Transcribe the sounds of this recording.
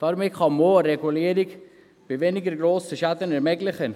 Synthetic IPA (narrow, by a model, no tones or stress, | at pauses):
t̪ɑɾmɪtχɑmoːɾeɡuliːəɾɪk | b̥ɪʋeːnɪɡəɾɡɾoːsəʃat̪ənɛɾmɛɡlɪχən